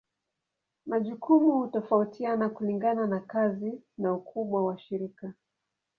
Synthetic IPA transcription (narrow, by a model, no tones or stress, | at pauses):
maʄukumuhutɔfautʰianakuliŋɡananakazinaukʰuɓwawaʃiɾika